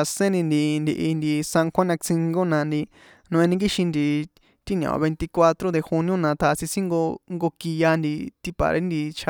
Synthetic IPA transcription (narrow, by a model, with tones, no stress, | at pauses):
a˧sẽ˦nd̪i˧nd̪i˧nd̪i˧ʔi˧nd̪i˧sã˧ŋkʰʷã˦nã˧t͡sĩ˧ŋɡo˦nã˧nd̪i˧ | nũ˧ʔẽ˧nĩ˧˦ɡi˦ʃĩ˧nd̪i˨ | t̪i˦n˨ã̰˨˧βe˧nt̪i˧kwa˧t̪ɾo˦d̪e˧xu˧nĩ˦õ˦nã˧t̪ʰa˧sĩ˧sĩ˦ŋɡo˧ŋɡo˧ki˧ja˧nd̪i˧t̪i˧pa̰˨ɾḛ˦nd̪i˧t͡ʃʰa˧